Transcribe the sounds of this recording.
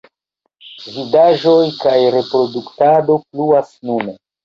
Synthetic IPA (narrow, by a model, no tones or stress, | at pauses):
vidaʒo̞jkajɾe̞pɾo̞duktado̞pluasnune